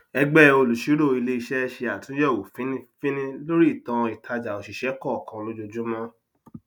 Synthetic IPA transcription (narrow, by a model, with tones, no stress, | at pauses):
ɛ˧ɡ͡bɛ˦˧o˧lu˨ʃi˨˦ɾo˦˨i˧le˦i˧ʃɛ˦ɛ˧ʃe˧a˨tũ˨˦jɛ˦˨wo˨fĩ˦nĩ˦fĩ˦nĩ˦lo˦ɾi˦˨tɔ̃˧i˨tʰa˧d͡ʒa˨o˨ʃi˨ʃɛ˨˦kɔ˦˨kã˧lo˦d͡ʒo˧d͡ʒũ˦mɔ̃˦